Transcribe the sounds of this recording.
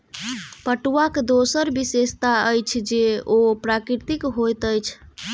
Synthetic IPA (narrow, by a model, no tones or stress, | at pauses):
pəʈuwakd̪osəɾbisest̪aəjt͡ʃʰd͡ʒeopɾakɾiɾt̪ikɦojt̪əjt͡ʃʰ